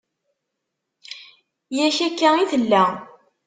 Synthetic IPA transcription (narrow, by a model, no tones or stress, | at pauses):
jæçækːæiθəlːæ